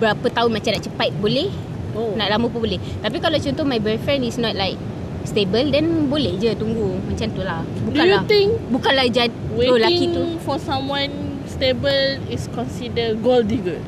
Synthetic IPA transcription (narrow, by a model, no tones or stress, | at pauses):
bəɾapət̪aʊnmat͡ʃamnaʔt͡ʃəpat̪̚bolɛh | onaʔlaməpəbolɛht̪apikalat͡ʃɔnt̪ɔhmajbɛfɾɛ̃nisnɔt̚lajk̚ | st̪ebəldɛnbolehd͡ʒət̪uŋɡumãt͡ʃamt̪ulahbudukãnjuat̪ĩŋbukanlahd͡ʒat̚wweolakiŋt̪ufɔsãmwãn | stebəliskɔ̃nsidəɡoldiɡət̚